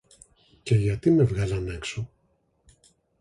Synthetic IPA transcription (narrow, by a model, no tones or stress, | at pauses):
ce̞ʝɐt̪ime̞vɣɐlɐnekso